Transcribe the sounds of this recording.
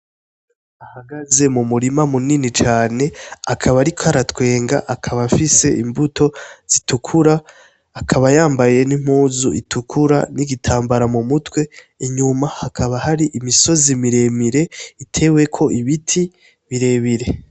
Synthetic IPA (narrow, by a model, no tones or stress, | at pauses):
ahaɡaze̞mumuɾimamuninit͡ʃaːne̞akʰaβaɾikʰohaɾatwe̞ːŋɡa̰ʔakʰaβafise̞ʔimbuto̞z̥itukʰuɾaː | kʰaβajaːmbaje̞nim̥huːzuitʰukʰuɾa̰niɡitʰaːmbaɾamumutwe̞ | iɲumahakʰaβahaɾiʔimiso̞zimiɾe̞miɾe̞itʰe̞we̞kʰo̞ʔiβitʰi | βiɾe̞βiɾe̞